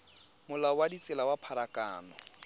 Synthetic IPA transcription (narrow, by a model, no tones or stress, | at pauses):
mʊlawadit͡sʼɪlawapʰaɾakʼa̰ːnɔ